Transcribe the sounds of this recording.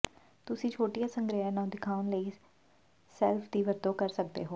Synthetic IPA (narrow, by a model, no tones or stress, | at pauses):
t̪ʊsĩːt͡ʃʰoːʈijaːsəŋɡɾəɦaːnãːd̪ɪkʰaːʊnləiː | sɛːlfʰd̪iːʋəɾd̪õːkəɾsək̚d̪ḛːɦoː